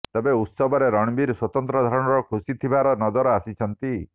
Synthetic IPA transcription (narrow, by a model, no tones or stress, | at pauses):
t̪ebeut̪sɔbɔɾeɾɔɽ̃biɾswɔt̪ɔnt̪ɾɔd̪ʱaɾɔɽ̃ɔɾɔkʰusit̪ʰibaɾɔnɔd͡ʒɔɾɔasit͡ʃʰɔnt̪i